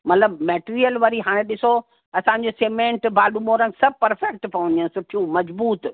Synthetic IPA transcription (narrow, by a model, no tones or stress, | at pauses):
mɐt̪ləbmeːʈiːɾijəlʋɐɾiɦaːɽ̃ẽɗɪso | ɐsãːɲ̆d͡ʑoseːmẽːɳʈbaːlumoːɾə̃ŋɡsɐb̚ʱpɐɾfɛk̚ʈpɐʋə̃nd̪iənsʊʈʰijũmɐzbuːt̪